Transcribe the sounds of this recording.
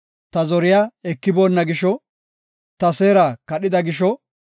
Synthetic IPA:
t̪ɐzɔɾɪjaɛkːɪboːnːɐɡɪʃɔ | t̪ɐse̞ːɾakɐɗɪd̪ɐɡɪʃ̬ɔ

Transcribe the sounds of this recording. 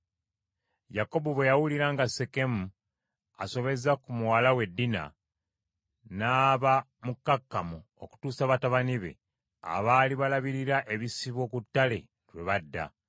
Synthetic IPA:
jako̞boβwe̞jawuliɾaŋɡaseke̞mu | aso̞βe̞zakumuwalawe̞dːina̰ | naːβa | mukːakːamu | o̰ku̥tuːsaβataβaniβe̞̰ | a̰βaːliβalaβiɾiɾaʔeβisiβo̞kutːale̞ | ɾwe̞βadːa̰

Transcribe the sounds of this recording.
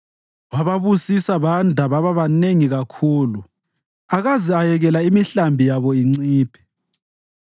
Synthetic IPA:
waβaβusisaβandʱaβaβaβaneŋiɣakʰuːlu | aɣaziajɛɣɛlaimiɬambʱijaβɔiŋ͡ǀiːpʰɛ̥

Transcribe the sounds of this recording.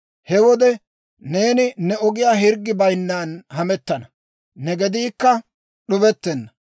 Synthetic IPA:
hɛwɔd̪ɛ | ne̞ːnɪnɛɔɡɪjaːɦɪɾɡːɪbɐjnːaːnhɐmɛt̪ːɐnɐ | nɛɡɛd̪iːkːɐ | ɗʊbɛt̪ːɛnːɐ

